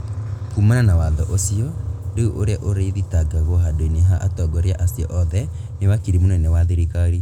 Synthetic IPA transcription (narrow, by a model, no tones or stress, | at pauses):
kumananawaðɔʔosiɔdeuʔoɾeaʔoɾeiðitaɡaɣɔɦadoineɦaʔa̰tɔɡɔɾeaʔasiɔʔɔðɛ | newakiɾimunɔnɛwaðeɾikaɾi